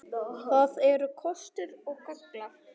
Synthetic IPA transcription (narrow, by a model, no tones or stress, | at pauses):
θaðɛɾʏkʰɔst̪ʏɾɔɣkœkla